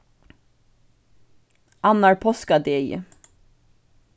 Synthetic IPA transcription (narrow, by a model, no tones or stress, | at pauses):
ɑnɑɹpʰɔskɑd̪ejə̰